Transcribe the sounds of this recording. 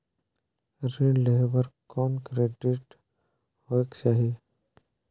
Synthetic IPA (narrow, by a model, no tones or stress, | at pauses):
ɾileɦbəɾkɔːnkɾeːɖiʈ | hoekt͡ʃaɦi